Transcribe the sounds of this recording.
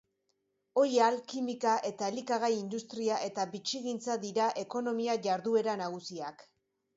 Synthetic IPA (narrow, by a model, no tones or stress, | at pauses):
o̞jalkimikaʔe̞t̪aelikaɣajind̪ust̪ɾiaʔe̞t̪abit͡ʃiɣint͡saðiɾaʔe̞ko̞no̞miaʝaɾðue̞ɾanaɣ̞usiak